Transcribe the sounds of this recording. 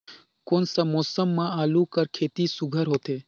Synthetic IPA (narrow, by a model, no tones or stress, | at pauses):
konsəmoːsəmːãaːlũkəɾkʰeːt̪isuɡʱəɾɦot̪eː